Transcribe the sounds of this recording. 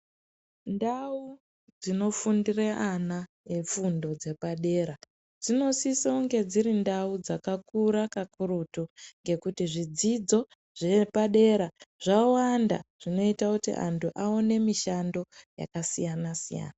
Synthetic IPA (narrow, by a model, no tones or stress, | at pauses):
ndau | d͡zino̞fundireʔana | efundo̞d͡ze̞paɗe̞ːɾa | d͡zino̞sisauŋɡe̞d͡ziɾindaud͡zakakuɾakakurutuŋɡe̞kutiʐid͡zid͡zo̞ | ʐ̥e̞paɗe̞ɾaʐ̥awanda̰ʐ̥ino̞itakutḭʔa̰ntuʔaone̞miʃando̞ja̰kasijanasija̰ːna